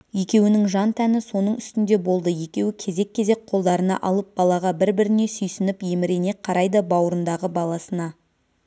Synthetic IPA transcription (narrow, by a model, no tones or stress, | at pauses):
je̞kʲe̞wɪnɪŋʒɑnt̪ʰænɪso̞nəɴʏst̪ɪnd̪e̞bo̞lˠd̪əje̞kʲe̞wɪkʲʰe̞ze̞kʲːe̞ze̞k̚qʰo̞lˠd̪ɑɾənɑ̰ʔɑlˠəp̚bɑlˠɑʁɑbɪɾbɪɾɪne̞sʏjsɪnɪpje̞mɪɾe̞ne̞qʰːɑɾɑjd̪əbɑwəɾənd̪ɑʁəbɑlˠɑsənɑ